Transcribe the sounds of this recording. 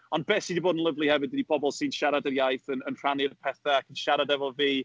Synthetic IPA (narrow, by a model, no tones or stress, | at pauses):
ɔnbɛːsidiboːdən̩lˠəvlˠihɛvɨd̚ɪdib̥ʰɔbɔlˠsiːnʃaɾadəɾjajθənənr̥anjəpʰɛθaakʰənʃaɾadɛvɔviː